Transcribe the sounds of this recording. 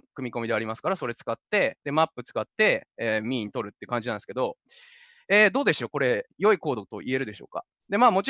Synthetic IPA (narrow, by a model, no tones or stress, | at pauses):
kɯ̟mʲiko̞mʲid̪e̞aɾʲimasɨ̥kaɾaso̞ɾe̞t͡sɨ̥kat̪ːe̞d̪̥e̞mapːɯ̟t͡sɨ̥kat̪ːe̞ːmʲĩːɲ̟it̪o̞ɾɯ̟t̪ːe̟kãɲ̟d͡ʑinãnske̞d̪o̞ | eːd̪o̞ːd̪e̞ɕɨo̞ko̞ɾe̞jo̞iko̞ːd̪o̞t̪o̞̰ʔie̞ɾɯ̟d̪eɕo̞̰ːka̰ | d̪e̞maːmo̞t͡ɕi